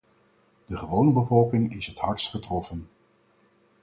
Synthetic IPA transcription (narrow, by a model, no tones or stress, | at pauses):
d̥əχəʋownəbəvɔlˠkɪŋɪsɦətɦɑɹtsχətrɔfən